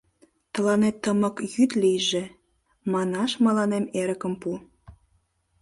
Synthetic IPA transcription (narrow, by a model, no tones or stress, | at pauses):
t̪ə̆lɑnet̪ːəmə̆kjyt̪lijʒĕ | mɑnɑʃmɑlɑnemeɾə̆kə̆mpu